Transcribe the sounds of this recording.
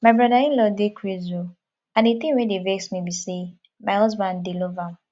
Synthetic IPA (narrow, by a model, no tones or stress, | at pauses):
maɪbɾadaĩnlɔdekʰezo | ãnet̪ĩwẽdeveksmibise | maɦɔzbãndelovam